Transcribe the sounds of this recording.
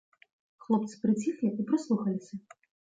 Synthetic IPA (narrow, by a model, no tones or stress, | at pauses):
xlˠɔp̚t̪sɨ̥pɾɨt͡sʲixlʲiipɾɔslˠuxɐlʲɪsʲɐ